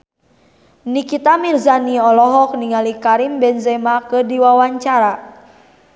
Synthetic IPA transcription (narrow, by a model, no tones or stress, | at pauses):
nikit̪amirzaniɔlɔɦɔk̚niŋalikaɾimbɛnzɛmakədiwawaɲt͡ʃaɾa